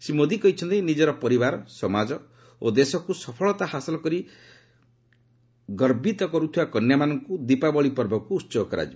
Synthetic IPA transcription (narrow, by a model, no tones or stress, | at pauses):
simod̪ʱikɔɦit͡ʃʰɔnt̪ejnid͡ʒɔɾɔpɔɾibaɾɔsɔmad͡ʒɔ | od̪esɔkusɔpʰɔɭɔt̪ahasɔlɔkɔɾi | ɡɔɾbit̪ɔkɔɾut̪ʰibakɔnjamanɔŋkud̪ipabɔɭipɔɾbɔkuːtːsɔɔkɔɾa̰d͡ʒibɔ